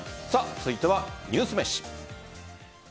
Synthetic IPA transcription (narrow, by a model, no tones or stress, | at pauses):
sat͡sɨɨit̪eβaɲ̟ʲɨːsɨmeɕi̥